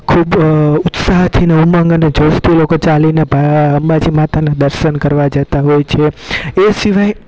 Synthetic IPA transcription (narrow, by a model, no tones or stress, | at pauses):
kʰubʊt̪saɦt̪ʰineumãŋɡəned͡ʒost̪ilokot͡ʃalinebʱaəmbad͡ʒimat̪anãd̪əɾʃənkəɾʋad͡ʒət̪aɦojt͡ʃʰeesiʋaj